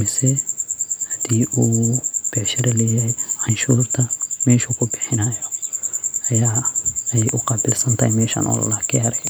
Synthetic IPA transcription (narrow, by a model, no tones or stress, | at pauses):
mɪsɛ | hɐd̪̥iːʔuːb̥ɛːʃɐɾɐlɛːjɛjʕɑnʃuːrt̪ʰɐmɛːʃukʰʊbɪħɪnɐjɔ | ʔɐjaːɛjʔʊqɑːbɪlsɐnt̪ʰɐhjmɛːʃa̰ːnʔɔ̰lɐlaːkʰɪɐɾɛ